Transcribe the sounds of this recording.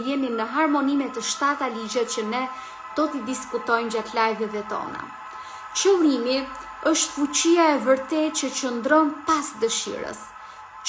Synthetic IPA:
jɛninəɦaɾmɔnimɛt̪əʃt̪at̪alid͡ʑɛt͡ɕənɛ | d̪̥ɔt̪id̪iskut̪ɔjnd͡ʑat̪lajvɛðɛt̪ɔ̰na̰ | t͡ʃəlˠimi | əʃt̪fut͡ɕiaɛvəɾt̪ɛt̪̚t͡ɕət͡ɕənd̪ɾɔnpasd̪əʃḭɾə̰s

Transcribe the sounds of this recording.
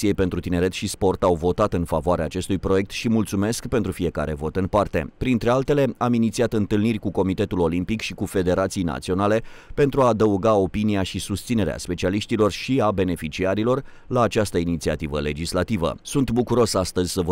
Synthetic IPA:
siejpent̪ɾut̪ine̞ɾe̞t̪ʃispo̞rt̪awvo̞t̪at̪ɨnfavoaɾeaːt͡ʃe̞st̪ujpɾoje̞k̚t̪ʃimult̪sume̞skpe̞nt̪ɾufije̞ka̰ɾe̞̰vo̞t̪ɨnpart̪e̞̰pɾint̪ɾe̞alt̪e̞le̞aminit̪siat̪ɨnt̪ɨlnirʲkuko̞mit̪e̞t̪ulo̞limpikʃikufe̞d̪e̞ɾat̪sijna̰t̪sio̞nale̞pe̞nt̪ɾuaːd̪əuɡao̞piniaʃisust̪sine̞ɾea̰spe̞t͡ʃialiʃt̪ilo̞rʃiabe̞ne̞fit͡ʃiaɾilo̞r | laːt͡ʃast̪əinit̪sia̰t̪ivə̰le̞d͡ʒislat̪ivə̰sunt̪bukuɾo̞sast̪əzʲsəv

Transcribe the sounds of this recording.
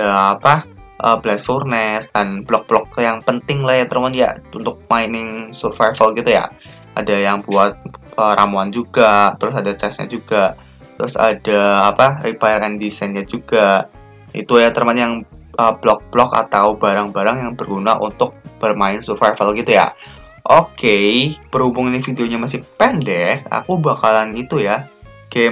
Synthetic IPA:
adaːpa | ʔəblɛsurnɛsd̥anb̥lɔk̚b̥lɔk̚jaŋpənt̪ɪŋlahjat̪ərmanja̰unt̪ʊk̚maɪnɪŋsurfajfalɡit̪uja̰ | ʔadajaŋbuat̪̚əɾʔamuand͡ʒuɡat̪əɾʊsadat͡ʃɛsɲa̰d͡ʒuɡa | t̪əɾʊsa̰daːparipajəɾɛndisajnɲad͡ʒuɡa | ʔḭt̪ujat̪ərmajaŋ | ʔəb̥lɔk̚b̥lɔka̰t̪awbaɾaŋbaɾaŋjaŋbərɡunaʔṵnt̪ʊk̚b̥ərmaɪnsurfajfalɡit̪uja̰ | ʔokepərhubuŋanafideoɲamas̬ɪhpɛndɛka̰kubakalanit̪ujaɡ̥e

